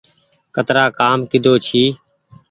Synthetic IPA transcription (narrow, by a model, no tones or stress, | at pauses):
kət̪ɾaːkaːmkɪd̪ʱoːt͡ʃʰiː